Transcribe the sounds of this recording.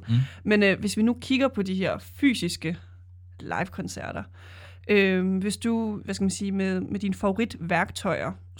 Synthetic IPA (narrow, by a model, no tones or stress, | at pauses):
menʋe̝sʋinukʰiɡ̥ɐpʰɒ̽d̥iɦe̝ɐ̰fy̰ːsisɡ̥ə | lʔɑ̰̈ɪʋkʰɒ̽nsæɐ̰ɾ̥ɐ | ʔømʋe̝sd̥uʋæskæmænsiːmeðˠmed̥inəfɑ̈o̝ʁid̥ʋæɐɡ̥t͡sʰɒ̽ɪɐ